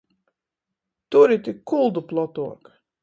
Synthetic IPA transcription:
t̪uɾit̪ʲikːulˠd̪uplˠɔt̪uɔk

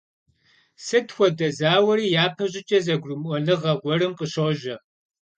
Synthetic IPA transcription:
sɨtxʷɔdɐzaːwɐɾiːjaːpʰɐʑʼɪt͡ʃʼɐzɐɡʷrʊmʔʷɔnɨʁɐʁʷɔɾɨmqʼəɕoʒɐ

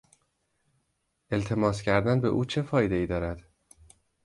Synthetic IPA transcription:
ʔe̞lt̪ʰe̞mɒːscʰæɾd̪ænbe̞̰ʔuːt͡ʃʰe̞fɒːjed̪e̞iːd̪ɒːɾæd̪̥

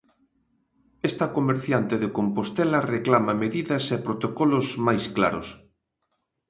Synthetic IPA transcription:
est̪ɐkomeɾθjant̪eðekompost̪ɛlɐreklamɐmeðiðɐsepɾot̪okɔlʊsmajsklaɾʊ̰s

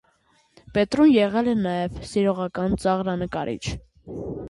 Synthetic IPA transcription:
pɛt̪ɾunjɛʁɛlɛnɑjɛvsiɾɔʁɑkɑnt͡sɑʁɾɑnəkɑɾʔḭt͡ʃʰ

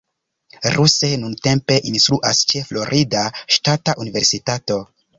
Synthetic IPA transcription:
ɾuse̞nunte̞mpe̞ʔinst̪ɾuʔast͡ʃe̞flo̞ɾʔidaʃtataʔunive̞ɾsitato̞

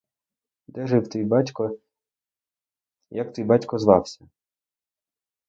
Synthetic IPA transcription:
d̪ɛʒɪwt̪ijbɑtʲkɔ | jakt̪ijbɑtʲkɔzʋɑ̰wsʲɐ

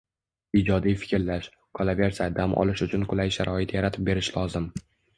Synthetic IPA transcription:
ɪd͡ʒɒd̪ijfɪ̥kʲɾlaʃ | kʰɒlave̞ɾsad̪amʔɒ̰lɪʃʊt͡ʃʰʊnqʰʊlajʃaɾʔɒɪt̪jaɾat̪ʰɪp̚be̞ɾɪʃlɒzɪm

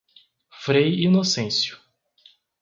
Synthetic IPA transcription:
fɾejinosẽsjʊ̥

